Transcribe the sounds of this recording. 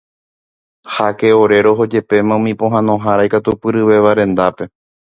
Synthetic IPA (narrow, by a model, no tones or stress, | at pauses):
hake̞oɾe̞ɾo̞ɦo̞d͡ʒe̞pe̞mãũmĩpõɦãnõ̞ɦaɾajkat̪upɨɾɨʋe̞ʋaɾẽ̞nd̪ape̞